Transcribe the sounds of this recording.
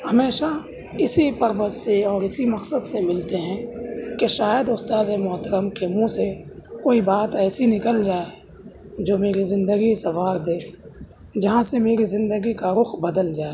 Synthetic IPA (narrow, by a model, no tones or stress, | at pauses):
hɐmeːʃa | ɪsipəɾbəzseɔːɾɪsimɐksəd̪semɪlt̪eɦɛ̃keʃaːjəd̪ʊst̪aːzemʊt̪əɾəmkemũsekoːibaːt̪ɛːsinɪkəld͡ʒaːe | d͡ʒoːmeːɾizɪ̃nd̪əɡisɐwaːɾd̪eː | d͡ʒɐɦãsemeːɾizɪ̃nd̪əɡikaɾʊxbəd̪əld͡ʒaːe